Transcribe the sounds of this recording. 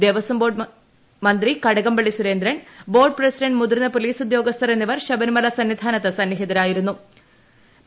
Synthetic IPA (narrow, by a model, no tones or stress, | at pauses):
d̪eʋɐsɐmbo̞ːɖ | mɐnd̪rikɐɽɐɣɐmbɐɭːisuɾe̞ːnd̪ɾɐɳbo̞ːrɖ̚prɐsiɖɐɳɖmud̪rinɐpoliːsud̪jo̞ːɡɐst̪ʰɐrenːiʋɐrɕɐbɐnmɐlɐsɐnʋid̪ʱaːnɐt̪ːɐsɐnːiɦid̪ɐɾaːjiɾunːu